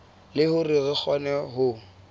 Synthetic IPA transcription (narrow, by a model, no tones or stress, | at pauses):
lɪhʊrɪrɪk͡xʰɔnɛɦʊ